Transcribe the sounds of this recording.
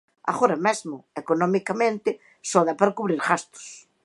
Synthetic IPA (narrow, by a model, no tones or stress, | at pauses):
a̰ɣoɾɐmezmʊekonɔmikamẽnt̪ɪ | sɔðapaɾakuβɾiɾɣast̪ʊ̥s